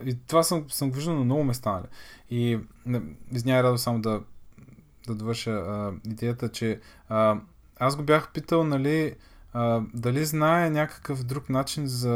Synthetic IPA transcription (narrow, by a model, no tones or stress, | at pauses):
it̪ovasəmsəmɡoviʒd̪əlˠnɐmnɔɡʊmɛst̪anɐ̰lḭiniznʲaɾad̪osamod̪ɐ | d̪ɐd̪ovɤɾʃəid̪ɛjət̪ət͡ʃɛ | ə | aszɡobjaxpit̪əlˠnɐli | əd̪ɐliznaɛnʲakə̥kəfd̪ɾuknat͡ʃinzɐ